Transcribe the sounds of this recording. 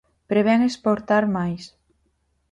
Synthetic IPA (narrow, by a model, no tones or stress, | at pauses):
pɾeβɛŋespoɾt̪aɾmajs